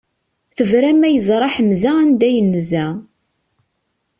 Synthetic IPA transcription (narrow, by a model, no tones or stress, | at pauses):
θəvɾæmæjəzˤɾˤɑħəmzaænd̪æjənːəzæ